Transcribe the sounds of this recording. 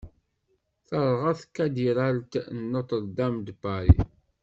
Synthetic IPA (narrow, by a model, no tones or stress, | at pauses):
θəɾˤʁaθkːæd̪iɾalt̪nːot̪ˤəd̪æmd̪baɾḭ